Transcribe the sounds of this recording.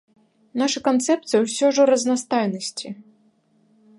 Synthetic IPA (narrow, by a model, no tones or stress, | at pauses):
naʂɨkant̪sɛp̚t̪sɨjɛwsʲɔʐɔɾɐznast̪ajnɐsʲt͡sʲi